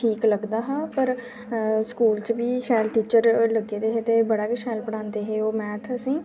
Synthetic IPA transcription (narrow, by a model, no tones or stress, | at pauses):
ʈʰiːkləɡd̪aːɦaːpəɾ | skuːlt͡ʃʋiːʃɛːlʈiːt͡ʃəɾləɡeːd̪eːɦeːt̪eːbəɽaːkeʃɛːlpəɽãːnd̪eːɦeːoːmɛːt̪ʰəsĩː